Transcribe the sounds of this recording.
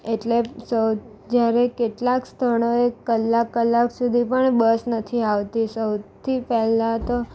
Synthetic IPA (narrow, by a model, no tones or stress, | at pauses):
eʈlesəw | d͡ʒjaɾekeʈlakst̪ʰəɳoekəlːakːəlːaksud̪ʱipəɳbəsnət̪ʰiaʋt̪isəwt̪ʰipɛɦlat̪o